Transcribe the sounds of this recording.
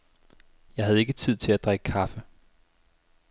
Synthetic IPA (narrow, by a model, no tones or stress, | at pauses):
jɑ̈ɪɦæð̞ˠe̝ɡ̥ət͡sʰið̞̰ˠt͡sʰe̝læd̥ʁaɡ̥əkʰɑ̈fə